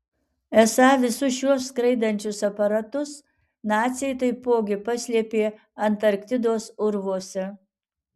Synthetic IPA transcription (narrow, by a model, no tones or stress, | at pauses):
ɛsɑːʋʲɪsʊʃuɔskɾɐɪd̪ɐnʲt͡ʃʲʊsɐpɐɾɐt̪ʊs | nɑːt̪ʲsʲjɛjt̪ɐɪpoːɡʲɪpɐsʲlʲiɛpʲeː | ɐnt̪ɐɾkt̪ʲɪd̪oːsʊɾʋoɔsʲɛ